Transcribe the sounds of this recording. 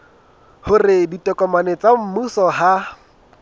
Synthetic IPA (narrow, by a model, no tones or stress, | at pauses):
hʊrɪditʼɔkʼɔmanɛt͡sʼam̩musɔɦa